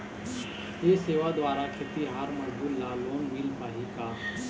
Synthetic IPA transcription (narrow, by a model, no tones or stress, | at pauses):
eseːʋad̪waːɾakʰɪt̪iɦaːɾmɐd͡ʒbuːɾlːaloːnʋiːlpaːɦikaː